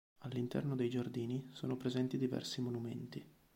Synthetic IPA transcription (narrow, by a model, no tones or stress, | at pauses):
alːint̪ɛ̰rnod̪ejd͡ʒard̪iːniso̰ːnopɾezɛnt̪id̪ivɛ̰rsimonumɛ̰nt̪i